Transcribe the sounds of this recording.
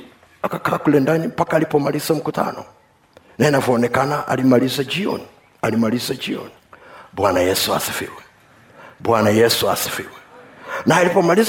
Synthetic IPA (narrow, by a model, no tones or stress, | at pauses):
akakaːkulɛndanim̩pakaːlipɔmalizam̩kuta̰nɔ̰ | naɛnavɔɔnɛkanaʔa̰limalizad͡ʒiɔ̰ni | alimalizad͡ʒiɔ̰nibwanajɛsua̰sifḭwɛ | bwanajɛsuasi̥fḭwɛnaalipɔmaliz